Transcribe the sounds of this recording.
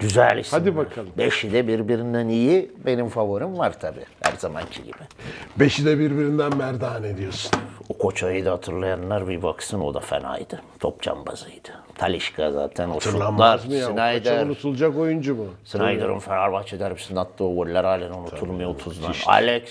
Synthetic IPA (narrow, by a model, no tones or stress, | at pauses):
ɟ̥yzælʲishad̪ibakʰalˠɯmbeʃid̪ɛbiɾbiɾind̪ænijibe̞nimfavoɾimvaɾt̪ʰabḭhæ̰ɾzamancʰiɟḭbibeʃid̪ɛbiɾbiɾind̪ænmæɾd̪aːned̪ijosu̥nukʰo̞t͡ʃʰajɯd̪ahat̪ʰɯɾlˠajanlːˠaɾbibaksɯno̞̰d̪afḛna̰jd̪ɯt̪ʰo̞̰p̚t͡ʃʰa̰mba̰zɯjd̪̥ɯ̥ | t̪ʰalʲiʃkʰaza̰ːt̪ʰænoʃulˠaɾsɯnajd̪æɾnut̪ʰulˠd͡ʒakojund͡ʒumusɯnajd̪oɾṵmfanaɾbat͡ʃʰed̪æɾbisinat̪ʰlˠɯvoɾilʲæɾaːlʲɛnunuulˠmujoot̪ʰuzd̪ana̰lʲɛks